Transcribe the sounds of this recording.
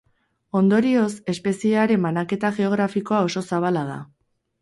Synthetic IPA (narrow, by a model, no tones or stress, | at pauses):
o̞nd̪o̞ɾio̞se̞spe̞siaɾe̞mbanake̞t̪aʝe̞o̞ɣɾafiko̞ao̞so̞saβ̞alað̞a̰